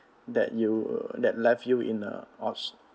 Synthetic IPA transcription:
dɛ̰tjudɛt̚lɛfjuʔḭ̃nə̰ɔts

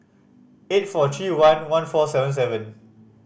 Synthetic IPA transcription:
et̚fɔtʰɹiwãnwãnfɔsɛvə̃ns̬ɛvə̃n

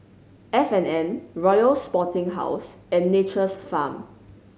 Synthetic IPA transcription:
ɛfɛ̃nɛ̃nɹɔjəlspɔtɪ̃ŋɦa̰ʊs | ɛ̃nːet͡ʃəsfãm

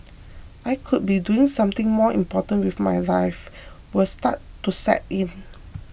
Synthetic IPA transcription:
ʔajkʰud̚biduɪ̃ŋsãmt̪ɪ̃ŋmɔĩmpɔtə̃nwifmajlajf | wəstatːusɛ̰t̚ĩn

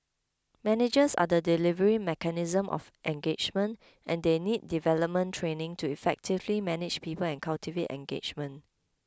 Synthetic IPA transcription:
mɛnɪd͡ʒəsa̰dədilivəɹimɛkənizə̃mʔɔ̰fʔɛ̃ŋɡed͡ʒmə̃nt | ʔɛ̃ndenid̚ːivɛləp̚mə̃ntʰɹẽnɪ̃ŋtuifɛk̚tʰivlimɛnɪd͡ʒpiːpəlɛ̃nkʰaltiveʔɛ̰̃ŋɡḛt͡ʃmə̃n

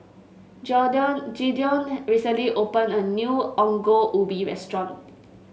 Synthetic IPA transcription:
d͡ʒɔdə̃nd͡ʒidiɔ̃nɹisə̃nliʔopə̃nənjuɔ̃ŋɡoʔubiɹɛ̰stɹɔ̃n

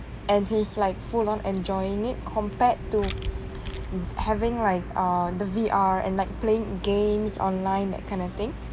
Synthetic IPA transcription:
ʔɛ̃nhislaɪk̚fulɔ̃nʔɛ̃nd͡ʒɔɪɪ̃ŋɪt̚kʰɔ̃mpɛtːu | hɛvɪ̃ŋlaɪk̚ʌdəviʔaɹɛ̰̃nlaɪk̚pleɪ̃ŋɡẽmsɔ̰̃nlãɪ̃ndɛ̰t̚kʰãɪ̃ndɔt̪ɪ̃ŋ

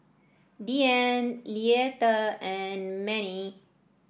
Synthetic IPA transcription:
ɖiɛnlietəɛnmɛni

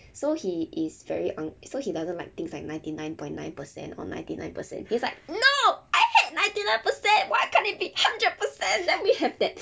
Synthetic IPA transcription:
sohiʔisvɛ̰ɹiʔãŋsohidazə̃ntlaɪk̚t̪ɪ̃ŋslaɪk̚nãɪ̃ntinãɪj̃npɔ̃ɪ̃nːãɪnpəsɛ̰̃ntɔ̰nã̰ɪ̃ntinã̰ɪ̃npəsɛ̰̃nhislaɪk̚noʔajhɛt̚nãɪ̃ntinãj̃npəsɛ̃nwat̚kʰɛ̃nit̚bihãndɹəd̚pəsɛ̃ndɛ̃nwihɛvdɛt̚

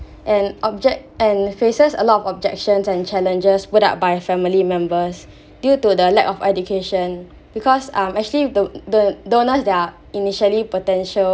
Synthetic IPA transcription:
ʔɛ̃nɔb̚d͡ʒɛkɛ̃nfesəsəlɔtɔfɔb̚d͡ʒɛk̚ʃə̃nsɛ̃nt͡ʃɛlə̃nd͡ʒəsputa̰ʊt̚bajfɛ̃milimɛ̃mbəs | djutudəlɛ̰kɔfɛdukʰeʃə̃n | bikʰɔsãmɛk̚t͡ʃuəliddodonəsdɛa | iniʃəlipotɛ̃nʃəl

